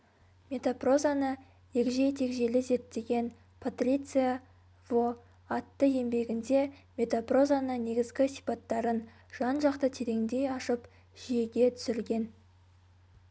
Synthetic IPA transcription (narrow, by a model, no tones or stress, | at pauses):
mʲe̞t̪opro̞zanə | e̞kʲʒe̞jt̪ʰe̞kʒe̞lɪze̞t̪ːe̞ɡʲe̞n | pʰot̪rʲit̪sɨja | vo | ɑt̪ːəje̞mbe̞ɡʲɪnd̪e̞mʲe̞t̪opro̞zanəne̞ɡʲɪzɡʲɪsijpɑt̪ːɑɾən | ʒ̥ɑnʒɑqt̪ət̪ʰe̞ɾe̞ŋd̪e̞jɑʃəp | ʒ̥ije̞ɡʲe̞t̪ʰʏ̥sɪɾɡʲe̞n